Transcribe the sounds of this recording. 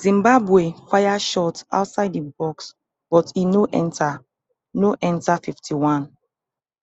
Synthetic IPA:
zĩmbabwefajaʃɔta̰ʊtsaɪdibɔks | b̥ɔtinoʔɛ̃ntʰa | noʔɛ̃ntafiftʰiwãn

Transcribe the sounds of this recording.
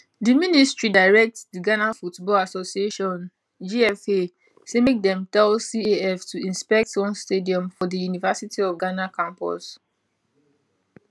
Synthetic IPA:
diministɹidaɪɹɛk̚tdiɡanafutbɔlasosieʃɔ̃n | d͡ʒiɛfe | semek̚dɛ̃mtɛlsieɛftʰuĩnspɛk̚twɔ̃nstediɔ̃mfɔdijunivasitʰiɔfɡanakãmpɔ̰s

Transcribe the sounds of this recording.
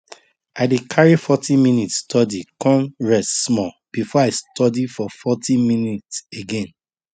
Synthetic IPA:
aɪdekʰaɹifɔtĩmĩnitstʰɔdikɔ̃mɹɛssmɔ | b̥ifɔaɪstʰɔdifɔfɔtʰĩminitseɡẽn

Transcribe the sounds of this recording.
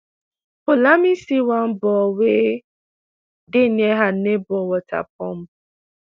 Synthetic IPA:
polamisiwam̩bɔwe | dɪneɦanebɔwɔta̰p̚ɔm̩

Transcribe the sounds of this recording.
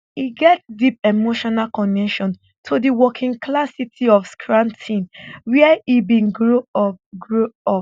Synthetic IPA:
iɡɛt̚dip̚emoʃɔnalkɔ̃nɛʃɔ̃n | tʰudiwɔkʰĩŋkʰlasitʰiɔfskʰɹãntʰĩnwɛɛibĩnɡɹoɡɹoɔ

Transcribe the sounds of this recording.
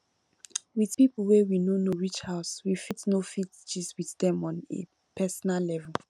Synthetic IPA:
wiθpipəl̩wɛwinonoɹit͡ʃhaʊswifitnofitt͡ʃiswiθdɛ̃mɔ̃nḛ | pʰɛsɔnallɛvɛl

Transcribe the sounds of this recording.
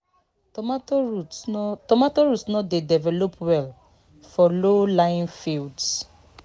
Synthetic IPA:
maoɹutɔmatoɹutnɔtdedɛvɛlopwɛl | fɔlolãj̃nfilds

